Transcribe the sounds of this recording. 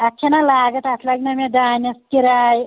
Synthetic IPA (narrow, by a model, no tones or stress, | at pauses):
ɐkʰenalaːɡət̪aslaɡnamed̪aːnɐskiɾaːj